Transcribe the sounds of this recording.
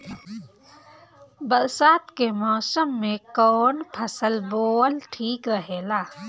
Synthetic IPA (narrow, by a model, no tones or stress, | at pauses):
bɐɾsaːt̪kemɔːsəmːẽkɔːnpʰɐsəlboːlʈʰiːkɾəɦeːlaː